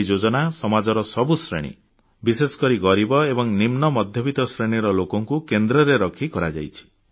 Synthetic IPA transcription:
d͡ʒod͡ʒɔnasɔmad͡ʒɔɾɔsɔbusɾḛɽ̃ḭ | bisesɔ̥kɔɾiɡɔɾibɔebɔŋnimnɔmɔd̪ʱjɔbit̪ɔsɾeɽ̃iɾɔlokɔŋkukend̪ɾɔɾeɾɔkʰikɔɾad͡ʒa̰jt͡ʃʰi̥

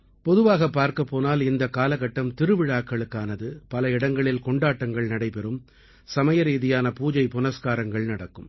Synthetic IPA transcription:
pɔðɯʋaːɣɐpːaːɾkɐpːoːnaːlɪnd̪ɐkaːlɐɣɐʈːɐmt̪ɪɾɯʋɪɻaːkːɐɭɯkːaːnɐðɯpɐlɐɪɽɐŋɡɐɭɪlkɔɳɖaːʈːɐŋɡɐɭnɐɽɐɪpɛɾɯm | sɐmɐjɐɾiːðɪjaːnɐpuːd͡ʒɐɪpʊnɐskaːɾɐŋɡɐɭnɐɽɐkːɯm

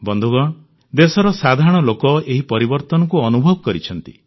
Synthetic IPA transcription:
bɔnd̪ʱuɡɔ | d̪esɔɾɔsad̪ʱaɾɔɽ̃ɔlokɔeɦipɔɾibɔɾt̪ɔnɔkuɔnubʱɔbɔkɔɾit͡ʃʰɔnt̪i

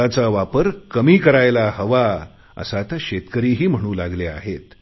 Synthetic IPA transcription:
at͡saʋapəɾkəmiːkəɾajlahəʋa | ə̰sat̪jaɕet̪kəɾiːɦiːm̤əɽ̃uːlaɡlea̰ɦet̪

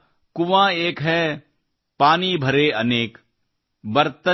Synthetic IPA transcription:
kʊʋãːeːkɦɛ | paːnibʱɐɾeːɐneːk | bɐɾt̪ə

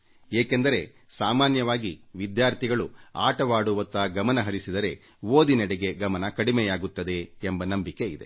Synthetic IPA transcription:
eːkend̪ɐɾe̞ | saːmaːnjɐʋaːɡiʋid̪jaːɾt̪ʰiɡɐɭuaːʈɐʋaːɽuʋɐnt̪ɐɡɐmɐnɐɦɐɾisid̪ɐɾe̞ | ʋoːd̪inɛɽeɡe̞ɡɐmɐnɐkɐɽimɛjaːɡut̪ːɐd̪e̞ːmbɐnɐmbike̞id̪e̞̰

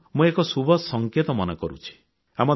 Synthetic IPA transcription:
mũekɔsubʱɔsɔŋket̪ɔmɔnɔkɔɾṵt͡ʃʰi̥ | amɔ

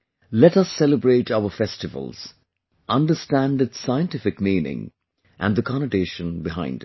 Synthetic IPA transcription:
lɛʈʌsːɛləbɹeːʈaʊəfɛstɨvə̰lˠz̥ | ʔʌ̃nɖəstæ̃nɖɨtsaɪə̃ntɪfɪkmĩːnɪ̰̃ŋ | ʔæ̰̃nðəkʰɑnəʈeːʃə̃nbɪɦã̰ɪ̃ndɪt

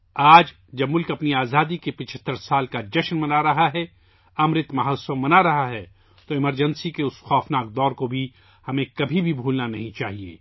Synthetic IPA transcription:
aːd͡ʒ | d͡ʒɐbmʊlkɐpniaːzaːd̪ikepɪt͡ʃʰət̪ːəɾsaːlkad͡ʒɐʃnmɐnaɾɐɦaɦɛ | ɐmɾɪt̪mɐɦɐːsomɐnaɾɐɦaɦɛ | t̪oɪməɾd͡ʒə̃nsikeʊsxɔːfnaːɡ̚d̪ɔːɾkobʱi | hɐmẽkɐbʱibʱibʱuːlnanɐ̰ɦĩt͡ʃaːɦiḛː

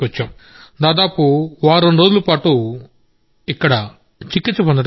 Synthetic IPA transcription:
ɐt͡ʃːaːm | d̪aːd̪aːpuʋaːɾonɾoːd͡ʒulɐpaːʈu | ikːɐɽɐ | t͡ʃikːit͡ʃːɐpond̪ɐ

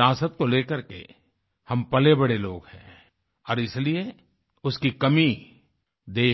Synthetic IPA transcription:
aːsət̪̚koleːkəɾkḛ | hɐmpɐlebɐɽelo̰ːɡhɛ̃ː | ɔːɾɪslie | ʊskikɐmi | d̪eː

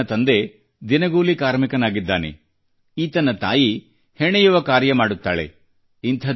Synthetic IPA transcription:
ɐt̪ɐnd̪e̞ | d̪inɐɡuːlikaːɾmikɐnaːɡid̪ːaːnḛ | iːt̪ɐnɐt̪aːji | hɛɳɐjuʋɐkaːɾjɐmaːɽut̪ːa̰ːɭe̞̰ | int̪ʰɐ

